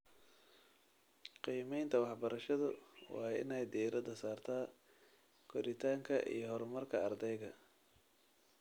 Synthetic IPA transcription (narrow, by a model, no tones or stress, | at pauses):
qiːmɛjnt̪ʰɐwɑħbɐɾɐʃɐðʊwɑ̰ːɪ̰nɛjd̪iːɾɐd̪ɐsaːrt̪ʰaː | kʰɔɾɪt̪ʰaːŋkʰɐʔḭjɞɦɔɾmɐrkʰɐɐrd̪ɛjɣɐ